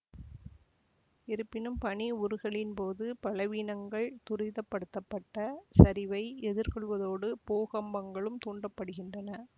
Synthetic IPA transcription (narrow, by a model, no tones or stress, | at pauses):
ɪɾɯpːɪnɯmpɐɳiʊɾɯɣɐɭɪnpoːðɯpɐɭɐʋiːnɐŋɡɐɭt̪ʊrɪðɐpːɐɽɯt̪ːɐpːɐʈːɐsɐɾɪʋɐɪɛðɪɾkɔɭʋɐðoːɽɯpoːɣɐmbɐŋɡɐɭɯmt̪uːɳɖɐpːɐɽɯɣɪndrɐnɐ